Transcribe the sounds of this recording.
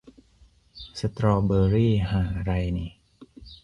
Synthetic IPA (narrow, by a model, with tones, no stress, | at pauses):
sa˧t̪ɾɔː˧bɤː˧ɾiː˥˩haː˨˩ɾa˧jni˧˩